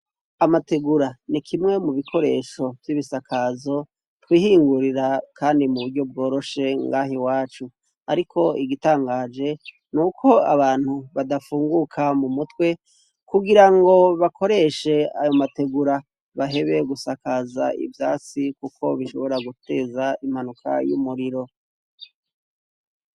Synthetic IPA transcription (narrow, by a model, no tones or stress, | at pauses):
amateɡuɾanikʰimŋe̞muβikʰo̞ɾe̞̰ʃo̞vjiβisakʰazo̞ | twiːhiːŋɡuɾiɾakʰaːndimuβuɾɟo̞b̚ɡo̞ːɾo̞ʃe̞ŋɡaːɦiwaːt͡ʃu | a̰ɾikʰo̞iɡitaːŋɡaːd͡ʒe̞ | nukʰo̞aβaːn̥huβadafuːŋɡukʰamumutwe̞ | kuɡiɾaŋɡo̞βakʰo̞ɾe̞ʃe̞ajo̞mate̞ɡuɾa | βaɦe̞βe̞ɡusakaza̰ḭvjaːt͡sikukʰo̞βiʃo̞̰βo̞ɾaɡute̞ːzaimhanukʰa̰jṵmuɾiɾo̞